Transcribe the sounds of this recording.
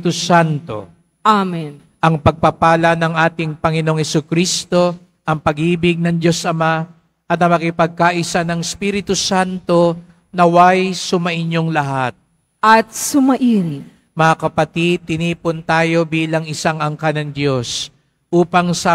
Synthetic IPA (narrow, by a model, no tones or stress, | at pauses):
t̪usant̪o̞̰ | ʔamɛn | ʔɐŋpɐɡ̚pɐpaːlɐnɐŋʔaːt̪ɪŋpɐŋɪno̞ŋhɛsukɾist̪o̞ | ʔɐŋpɐɡʔiːbɪɡ̚nɐŋd̪jo̞sʔɐma | ʔɐt̪ɐŋmɐkɪpɐɡ̚kaʔɪsanɐŋɪspiɾɪt̪usant̪o̞ | nɐwajsʊmɐʔɪɲjoŋlɐɦat̪̚ | ʔɐt̪̚sʊmɐʔiːɾɪ | mɐŋakɐpɐt̪id̪̚t̪ːɪniːpʊnt̪aːjo̞biːlɐŋɪsaŋɐŋkanɐŋd̪jo̞s | ʔuːpɐŋsɐ